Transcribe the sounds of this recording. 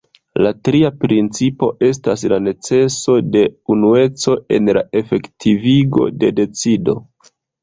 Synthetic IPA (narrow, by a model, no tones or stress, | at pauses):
latɾiapɾint͡sipo̞ʔe̞s̬tas̬lane̞t͡se̞so̞de̞unue̞t͡so̞e̞nlae̞fe̞ktʰiviɡo̞̰de̞de̞t͡sido̞̰